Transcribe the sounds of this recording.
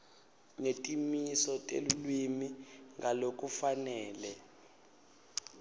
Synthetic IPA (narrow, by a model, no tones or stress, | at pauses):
ŋetʼimisɔtʼḛlulwimiŋɡalokʼufanɛːlɛ